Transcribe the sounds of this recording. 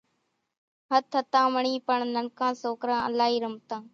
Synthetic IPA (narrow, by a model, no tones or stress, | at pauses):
ɦət̪ʰɦət̪ãːməɳiːpəɳnəɳkãːsoːkɾãːə̰laːɦiːɾəm̚t̪ãː